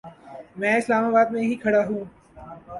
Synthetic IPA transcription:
mɛ̃ːɪslaːmaːbaːd̪mẽɦikʰɐɽaɦũː

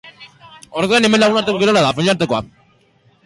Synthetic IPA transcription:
oɾðoanemenlaɣunaɾt̪ekoiɾolaðafeɲaɾt̪ekoa

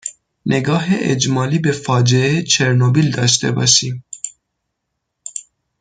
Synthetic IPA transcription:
nʔeɡɑːɦeʔḛd͡ʒmɑːlibefɑːd͡ʒeeet͡ʃʰeɾnobild̪ɑʃ̬t̪ɛbɑ̰ʃi

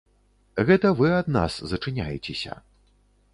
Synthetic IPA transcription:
ɣɛt̪ɐvɨɐd̪na̰szɐt͡ʂɨnʲajɛt͡sʲesʲɐ̰

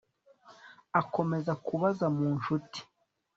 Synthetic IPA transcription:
ako̞me̞zakuβazamuːnʃuti̥

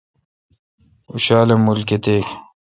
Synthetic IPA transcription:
uɕaːlemulket̪eːk

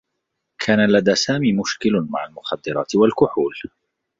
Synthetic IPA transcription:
kʰaːnalad̪aːsaːmiːmʊʃkɪlʊmaʕalmʊxad̪ːɪɾˤɑ̰ːt̪ɪwalkʊħuːl

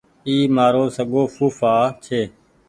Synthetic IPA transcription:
iːmaːɾoːsəɠoːfuːfaːt͡ʃʰeː

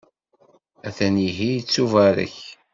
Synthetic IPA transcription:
æθæniɦijt͡sːuvæɾə̰ç

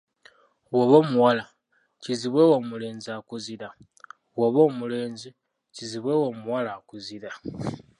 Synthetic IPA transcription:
woβo̞ːmuwala | ciziβwewoːmule̞ːnziakuziɾa | woβo̞ːmule̞ːnzi | ciziβwe̞woːmuwalaːkuziɾa

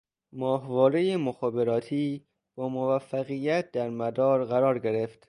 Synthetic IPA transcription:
mɒːɦvɒːɾejemoxɒːbe̞ɾɒːt̪ʰiː | b̥ɒːmovæfːæɣijæt̪̚ʰd̪æɾmæd̪ɒːɾɢæɾɒːɾɡe̞ɾeft̪

